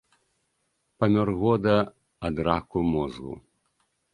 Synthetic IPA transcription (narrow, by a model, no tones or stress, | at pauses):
pɐmʲɔrɣɔd̪ɐː | d̪ɾakumɔzɣṵ